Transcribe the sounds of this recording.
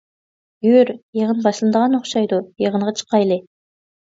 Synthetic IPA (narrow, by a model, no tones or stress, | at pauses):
ɡyɾjeʁənbɑʃlˠɨnd̪əʁɑnoχʃɑjd̪ujeʁəɴʁɑt͡ʃʰə̥qːɑjlˠɪ